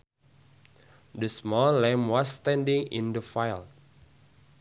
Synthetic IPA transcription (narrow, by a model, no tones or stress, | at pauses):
dəsmɔlɛ̃mwast̪ɛ̃ndĩŋḭ̃ndəfajl